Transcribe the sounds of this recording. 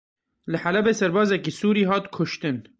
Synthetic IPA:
lɨħalɛbeːsɛɾbɑːzɛkiːsuːɾiːɦɑːt̪kʰʊʃt̪ɨn

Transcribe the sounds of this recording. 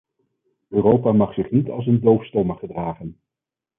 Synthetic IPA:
øːrowpaːmɑχsɪχnitɑ̰lˠs̬əndowfstɔməχədraːχən

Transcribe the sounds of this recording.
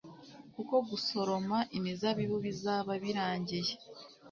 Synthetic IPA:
kuko̞βuso̞ɾo̞maʔimizaβiβuβizaːβaβiɾaːɲɟeje

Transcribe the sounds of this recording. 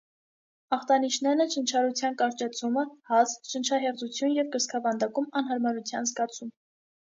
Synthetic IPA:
ɑχt̪ɑniʃnɛnət͡ʃʰənt͡ʃʰɑɾut͡sʰjɑnkɑɾt͡ʃɑt͡sʰuməhɑsʃənt͡ʃʰɑɦɛʁt͡sut͡sʰjunjɛvkəskʰɑvɑnd̪ɑkumɑnɦɑɾmɑɾut͡sʰjɑnzɡɑt͡sʰum

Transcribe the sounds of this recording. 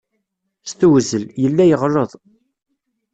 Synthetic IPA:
st̪uwzəljəlːæjəʁɾˤəðˤ

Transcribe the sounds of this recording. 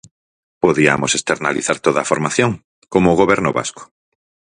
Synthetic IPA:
poðia̰mosest̪eɾnaliθaɾt̪oðafoɾmaθjoŋ | komoɣ̞oβɛɾnʊβa̰sko̥

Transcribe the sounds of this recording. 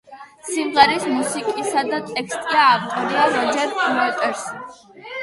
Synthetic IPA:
simʁɛɾismusikʼisad̪at̪ʼɛkʰst̪ʼiaːvt̪ʼɔɾiaɾɔd͡ʒɛɾmɛt̪ʼɛɾs

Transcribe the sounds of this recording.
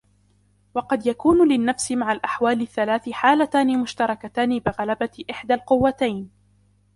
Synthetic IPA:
wɑqɑd̪jakuːnlɪnːafsɪmaʕalʔaħwaːlɪθːalaːθɪħaːlat̪aːnɪmʊʃt̪ɑɾˤɑkat̪aːnɪbɪɣalabaɪʔɪħd̪alqʊwːat̪ajn

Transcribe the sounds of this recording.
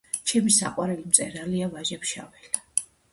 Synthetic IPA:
t͡ʃʰɛmisa̰qʼwaɾɛlimt̪sʼɛɾaliavaʒɛpʃa̰vɛla

